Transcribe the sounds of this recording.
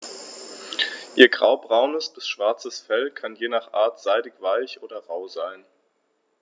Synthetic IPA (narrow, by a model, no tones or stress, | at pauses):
ʔiːɐɡʁaʊbʁaʊnəsb̥ɪsʃv̥aɐt͡səsfɛlkʰanjeːnaːχʔa̰ːɐtz̥aɪdɪçv̥aɪçʔoːdɐʁaʊzaɪn